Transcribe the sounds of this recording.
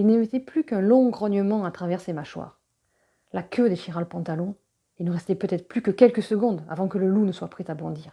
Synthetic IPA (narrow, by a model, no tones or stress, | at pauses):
ilnemet̪ɛplykɛ̃lɔ̃ɡʁɔɲjəmɑ̃at̪χavɛʁsemaʃwa̰ːʁ | lakʰød̪eʃiʁaləpɑ̃t̪alɔ̃ | ilnəʁɛst̪ɛpøt̪ɛt̪χə̥plykəkʲɛlkəsəɡɔ̃d̪a̰vɑ̃kələlunəswapχɛt̪abɔ̃d̪iːʁ